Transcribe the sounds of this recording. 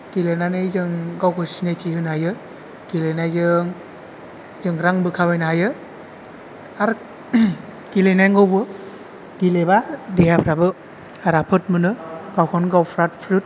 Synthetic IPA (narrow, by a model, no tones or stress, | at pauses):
ɡ̥ilenanɯjzɯŋɡawkʰɯsinajtiɦɯnajɯ | ɡilenajzɯŋ | zɯŋɾaŋbɯkʰabajnaɦajɯ | aɾ | ɡ̥ilejnajŋɡɔwbɯ | ɡ̥ilebadeɦapʰɾabɯ | aɾapʰɯtmɯnɯɡ̥awkʰɔnɡawpʰɾat̚pʰɾut̚